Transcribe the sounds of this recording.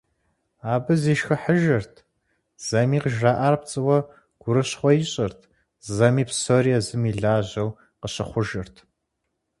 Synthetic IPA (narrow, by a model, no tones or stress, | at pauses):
aːbɨziːʃxɐħəʒɐrtʰ | z̥ɐmiːqəʒraːʔaːrp̚t͡sʼɨwɐ | ɡ̥ʷʊɾɨɕχʷɔjɪɕʼɐrtʰ | zɐmiːpsoriɛzɨmiːɮaːʑɐw | qəɕɐχʷʊʒɐrtʰ